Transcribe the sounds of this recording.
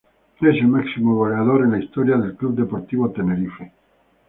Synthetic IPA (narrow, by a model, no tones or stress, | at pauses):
eselmaksimoβoleaðoɾenlaist̪oɾjaðe̞lklubd̪epoɾt̪iβot̪eneɾife